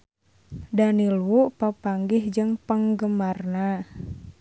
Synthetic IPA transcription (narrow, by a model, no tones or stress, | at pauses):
daniluʔpapaŋɡihd͡ʒəŋpəŋɡəmarna